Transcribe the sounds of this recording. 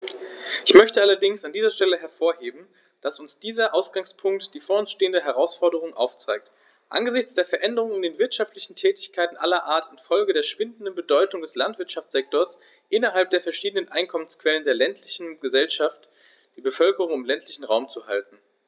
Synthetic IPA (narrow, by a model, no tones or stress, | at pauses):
ʔɪçmœçtəʔalɐdɪŋsandiːzɐʃtɛləɦɛɐfoːɐheːbm̩ | d̥asʊnsd̥iːzɐʔaʊsɡ̥aŋspʰʊŋktd̥iːfoːɐʊnsʃteːəndəɦɛʁ̞aʊsfɔɐdəʁʊŋʔa̰ʊft͡saɪk̚t | ʔa̰nɡəzɪçt͡sd̥eːɐfɛɐʔɛndəʁʊŋɪndeːnvɪɐtʃaftlɪçn̩tʰɛːtɪçkʰaɪtn̩ʔalɐʔaːɐtɪnfɔlɡədeːɐʃv̥ɪndn̩dənbədɔʏtʊŋdɛslantv̥ɪɐtʃaft͡sz̥ɛk̚toːɐs | ʔɪnɐɦalp̚d̥eːɐfɛɐʃiːdənənʔaɪnkʰɔmənskv̥ɛləndeːɐlɛntʰlɪçn̩ɡəzɛlʃaft | d̥iːbəfœlkəʁʊŋɪmlɛntʰlɪçn̩ʁaʊmt͡suha̰ltn̩